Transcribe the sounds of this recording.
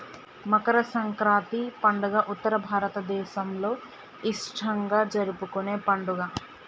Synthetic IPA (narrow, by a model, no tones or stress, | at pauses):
mɐkɐɾɐsɐŋkɾaːt̪ipɐɳɖuɡaːʔut̪ːɐɾɐbʱaːɾɐt̪ɐd̪ɛːʃɐmlo̞ː | iʂʈʰɐŋɡaːd͡ʒɐɾupukune̞ːpɐɳɖuɡaː